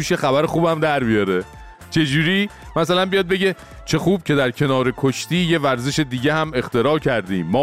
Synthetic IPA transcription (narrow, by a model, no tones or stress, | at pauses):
uːʃjexæβæɾexuːbæmd̪æɾbijɒɾe̞ | t͡ʃʰe̞d͡ʒuːɾiː | mæsælænbijɒːd̪̚be̞ɟe̞ | t͡ʃʰe̞xuːb̥̚cʰe̞d̪æɾcʰe̞nɒːɾe̞kʰoʃt̪iːje̞væɾze̞ʃe̞d̪iːɟehæme̞xt̪e̞ɾɒːcʰæɾd̪ḭːmːɒː